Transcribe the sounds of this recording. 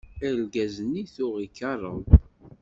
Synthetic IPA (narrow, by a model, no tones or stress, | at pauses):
ælɡæzəniθʊʁikːɑrˤːə̰n